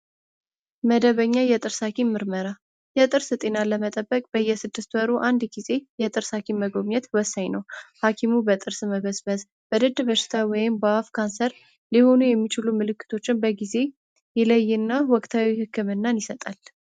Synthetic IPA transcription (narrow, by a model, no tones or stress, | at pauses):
məd̪əβəɲːajɛt̪ʼɨɾsakʰimːɨɾməɾa | jɛt̪ʼɨɾsɨt̪ʼe̞naləmət̪ʼəbːəkʼb̥əjːɛsɨd̪ːɨst̪wɔɾuʔand̪ɡize̞jɛt̪ʼɨɾsakʰiməɡo̞mɲɛt̪wɔsːaɲnəwhakʰimubət̪ʼɨɾsməβəsbəz | b̥əd̪ɨd̪bəʃɪ̥t̪ʰawɔjɪmbaafkʰansəɾ | liho̞nujɛmːit͡ʃɪlumɨlɨkːɨ̥t̪ʰo̞t͡ʃːɪnbəɡize̞ | jɛləjːɨnːawɔkʼt̪ʰawihɨkʰːɨmɨnːanjɪsət̪ʼal